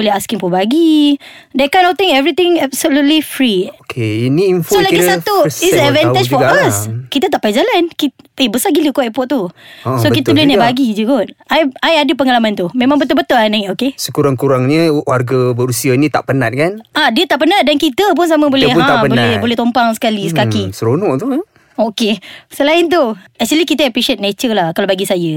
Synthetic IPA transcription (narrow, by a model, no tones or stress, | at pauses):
bolɛaskiŋpubaɡidekajnɔt̪ĩŋɛvɾit̪ɪ̃ŋɛbsəlut̪̚lifɾiokʰeiniːnfsolaɡisat̪uisɛvɛned͡ʒfɔaskit̪ət̪aʔpajid͡ʒalankiebəsaɡiləkɔʔɛpɔt̪̚t̪usokit̪əlɛnibaɡid͡ʒuɡɔt̪̚ajajadəpəŋalamãnt̪umẽmãŋbət̪̬ʊlbət̪ʊlanaŋɛʔokesəkuɾaŋkuɾaŋɲəwarɡabəɾusianĩt̪a̰ʔpənat̪̚kanadiət̪aʔpənat̪̚dankit̪əp̬ʊns̬amabolɛhaanbolɛbolɛht̪ompaŋsə̥kalisəkakisəɾonɔʔt̪u | okesəlaɪnt̪̬uɛk̚t͡ʃuəlikit̪əəpɾiʃiət̪̚net͡ʃərlahkalawbaɡisajə